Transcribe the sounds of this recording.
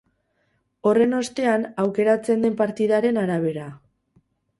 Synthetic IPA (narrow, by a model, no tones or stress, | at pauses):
o̞re̞no̞st̪e̞anawke̞ɾat͡se̞nd̪e̞mpaɾt̪iðaɾe̞naɾaβ̞e̞ɾa